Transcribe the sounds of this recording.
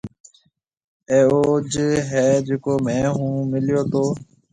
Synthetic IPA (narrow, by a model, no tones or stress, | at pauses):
eːoːd͡ʒɦɛːd͡ʒeːkoːmɛ̃ːɦũːmɪljoːt̪oː